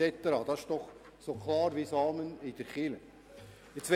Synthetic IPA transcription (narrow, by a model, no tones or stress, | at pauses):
ɛt̪əɾɑd̪ɑɪʃd̥ɔχ | sokʰlɑːɾʋisɑːmənɪd̥əɾχɪlə | ɪt͡sʋɛ